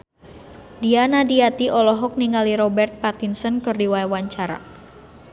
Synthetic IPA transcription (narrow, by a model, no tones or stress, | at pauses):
dianadiat̪iʔɔlɔɦɔk̚niŋaliɾɔbɛrt̪̚pat̪insənkɨrdiwajawaɲt͡ʃaɾa̰